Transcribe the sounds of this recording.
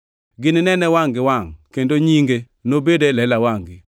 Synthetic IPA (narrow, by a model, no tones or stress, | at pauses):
ɡɪnɪnɛnɛwaŋɡɪwaŋkendoɲiŋɡe | nobedelɛlawaŋɡɪ